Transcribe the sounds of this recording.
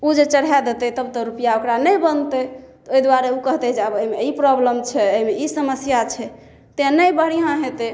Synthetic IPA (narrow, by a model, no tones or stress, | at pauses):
ud͡ʒet͡ʃəɽɦɛd̪et̪ɛt̪əbt̪ɔɾupijaokɾanəjbənt̪e | t̪ɔoid̪waɾeukəɦt̪ɛd͡ʒabəɦimeipɾɔbləmt͡ʃʰɛəɦimeisəməsjat͡ʃʰɛ | t̪eãnəjbəɽ̤ijãɦet̪e